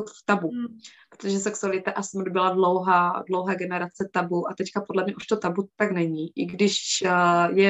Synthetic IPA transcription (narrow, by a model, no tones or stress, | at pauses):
t̪ft̪abupɾot̪oʒɛsɛksualɪt̪aʔasɛmdobɪladlowɦaːdlowɦɛːɡɛnɛɾat͡sɛt̪abuʔat̪ɛckapo̞dlɛmɲɛʔuʃt̪ot̪abut̪aɡnɛɲiʔɪɡdɪʃ | jɛ